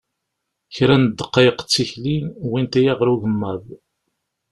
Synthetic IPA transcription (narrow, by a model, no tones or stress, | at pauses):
çɾænəd̪ːəqːɑjqt͡sːiçlinwint̪æjæʁɾuʝəmːæð